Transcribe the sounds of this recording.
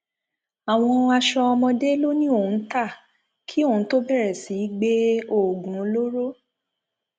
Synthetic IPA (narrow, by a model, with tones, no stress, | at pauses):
a˨w̃ɔ̃˧a˧ʃɔ˧ɔ˧mɔ̃˧de˦lo˦nĩ˦o˦˨u˨˧˨ta˦˨ | kʰi˦o˦˨ũ˨˦to˦bɛ˦˨ɾɛ˨si˨˦ɡ͡be˦o˦˨ɡũ˨o˧lo˦ɾo˦